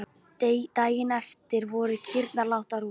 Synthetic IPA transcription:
t̪aːjɪnɛft̪ɪɾvɔɾʏcʰɪɾt̪nalawht̪aɾu

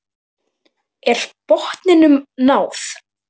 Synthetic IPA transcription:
ɛɾ̥pɔht̪nɪnʏmnaːwθ

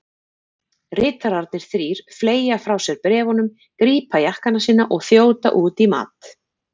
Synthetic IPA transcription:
rɪːt̪aɾaɾt̪nɪɾ̥θɾiːɾ̥fleːjafɾawsɛɾpɾɛːvɔnʏm | kɾiːpajahkanasiːnaʔɔɣθjoːwt̪a̰ʔuːt̪ima̰ːt̪

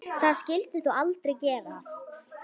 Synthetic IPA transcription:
θaðscɪlt̪ʏθualt̪ɾejcɛːvast̪

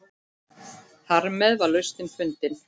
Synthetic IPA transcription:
θaɾmɛðvaɾlœɥst̪ɪnfʏnt̪ɪn

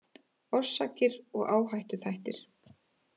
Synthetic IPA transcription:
ɔsːaːcɪɾɔɣaːwɦajht̪ʏθajht̪ɪɾ̥

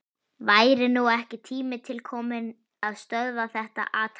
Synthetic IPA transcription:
vaːjɾɪnuɛhcɪt̪ʰiːmɪt̪ʰɪlkʰɔːmɪn | aðst̪œððaθɛht̪a̰ʔaːt̪

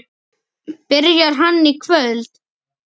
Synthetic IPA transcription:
pɪɾjaɾ̥ɦanːikʰvœlt̪

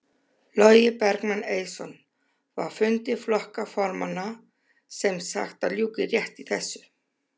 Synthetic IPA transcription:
lɔjɪpɛɾknaneːjsɔn | va̰ɾ̥fʏnt̪ɪ̥flɔhkafɔɾmanːa | sɛmsa̰xt̪aljuːkɪrjɛht̪iθɛsːʏ̥

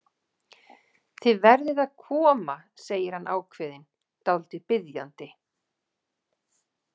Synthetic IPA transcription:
θɪðvɛɾðɪðaðkʰɔːmaseːjɪɾhanʔa̰ːwkʰvɪːðɪn | t̪awlt̪ɪpɪðjant̪ɪ

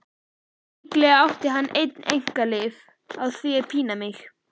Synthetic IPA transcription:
ɪklɛɣawht̪ɪɦanːʔejt̪nḛjŋ̥kalɪv | aðθviɛpʰiːnamɪx

